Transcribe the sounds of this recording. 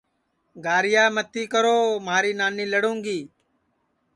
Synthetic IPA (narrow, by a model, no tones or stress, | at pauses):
ɡʱaːɾɪjaːmət̪ʰiːkəɾoːmaːɾiːnaːniːləɽũːŋɡiː